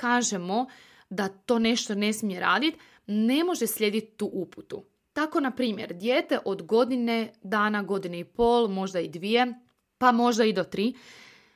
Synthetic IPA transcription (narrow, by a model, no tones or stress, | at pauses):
kaːʒemo̞ | d̪at̪o̞ːne̞ʃt̪o̞ne̞smije̞ɾa̰ːd̪it̪ | ne̞mo̞ʒeslʎʲe̞d̪it̪t̪ːuʔuput̪u | t̪ako̞napɾiːmjḛɾd̪jeːt̪e̞ʔo̞d̪ɡo̞d̪ine̞d̪aːnaɡo̞d̪ineipo̞ːlˠmo̞ʒd̪aid̪ʋije̞ | pamo̞ʒd̪aid̪o̞t̪ɾiː